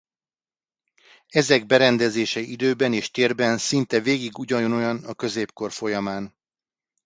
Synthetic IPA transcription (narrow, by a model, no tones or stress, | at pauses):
ɛzɛɡbɛɾɛnd̪ɛzeːʃɛid̪øːbɛneːʃt̪eːrbɛnsint̪ɛveːɡiɡuɟɒjono̞jɒnɒkø̞zeːpko̞rfo̞jɒmaːn